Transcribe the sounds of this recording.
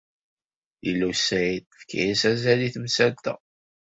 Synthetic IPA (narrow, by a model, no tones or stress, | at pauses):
ilːusæjitfkʰḭjisæzæliθmsælt̪æ̰